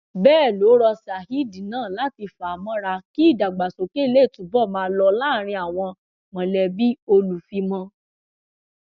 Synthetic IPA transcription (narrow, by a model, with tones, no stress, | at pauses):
bɛː˦˨lo˨˦ɾɔ˧sa˨hi˨˦dĩ˨nãː˦˨la˨˦ti˧fa˨mɔ̃˦ɾa˧ki˦i˦˨da˨ɡ͡ba˨so˨ke˦˧le˦˨tũ˨bɔ˦˨mãː˧˦˧lɔ˧la˦˨ɾ̃ĩ˧a˨w̃ɔ̃˧ | mɔ̃˨lɛ˧bi˦o˧lu˨fi˧mɔ̃˧